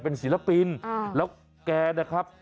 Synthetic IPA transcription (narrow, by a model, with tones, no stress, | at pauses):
pe˧nsiː˨˩˦la˧pi˧nlɛː˦˥w | kɛː˧na˦˥˩kʰa˦˥p̚